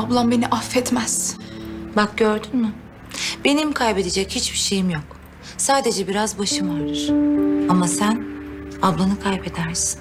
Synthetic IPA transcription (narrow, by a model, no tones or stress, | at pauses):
ablˠambeniʔafːɛt̪mæz̥ | bak̚ɟø̞ɾd̪ynmy | b̥e̞nimkʰajbe̞d̪ed͡ʒɛchit͡ʃbiʃe̞jimjok | saːd̪e̞d͡ʒɛbiɾazbaʃɯmaɾlˠɯɾ̥amasænablˠanɯkʰajpe̞d̪æɾsi̥n